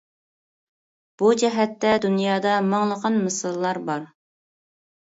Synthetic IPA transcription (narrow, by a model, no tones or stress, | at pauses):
b̥ud͡ʒɛɦɛt̪ːɛd̪unjɑːd̪ɑmɑŋlˠəqʰɑnmɨsɨlˠːɑɾbɑɾ